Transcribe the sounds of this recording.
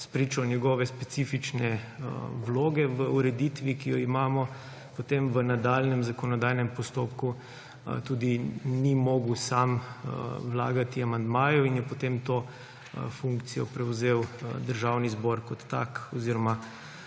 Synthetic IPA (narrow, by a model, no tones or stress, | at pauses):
spɾit͡ʃɔnʲjɛɡɔːʋɛspɛt̪sifit͡ʃnɛ | wloːɡɛʋəuɾɛd̪it̪ʋikijɔimaːmɔ | pot̪emʋənad̪aːlnɛmzakɔnɔd̪aːjnɛmpɔst̪oːpku | t̪uːd̪inimɔːɡwsam | wla̰ːɡat̪iamand̪maːjɔinjɛpɔt̪emt̪oː | fuŋkt̪sijɔpɾɛwzeːwd̪əɾʒaːwnizbɔɾkɔt̪ːa̰kɔziːɾɔma